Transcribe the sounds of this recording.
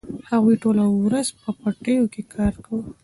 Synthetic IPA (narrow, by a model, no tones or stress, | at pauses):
haɣujʈolawwɾazpəpaʈəjokekʰɑɾkawə